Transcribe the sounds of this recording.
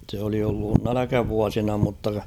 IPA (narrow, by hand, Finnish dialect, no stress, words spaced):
se oli olːun nælækæʋuɑsinɑ mutːɑ